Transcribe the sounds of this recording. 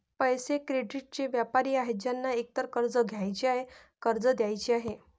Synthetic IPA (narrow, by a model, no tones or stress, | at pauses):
pəjsekɾeɖiʈ̚t͡ɕeʋjapaɾiːaɦed͡ʑjanːaek̚t̪əɾkəɾd͡zəɡʱjajt͡ɕiaɦe | kəɾd͡zəd̪jajt͡ɕiaɦe